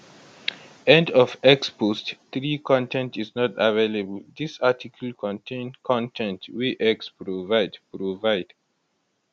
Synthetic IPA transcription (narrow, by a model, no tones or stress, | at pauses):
ɛ̃ndɔfɛkspostθɹikʰɔ̃ntɛ̃ntiznɔtavelebəld̪isatʰikʰəlkʰɔ̃ntʰẽnkʰɔ̃ntʰɛ̃ntwiʔɛkspɹovaɪdpɹovaɪd̥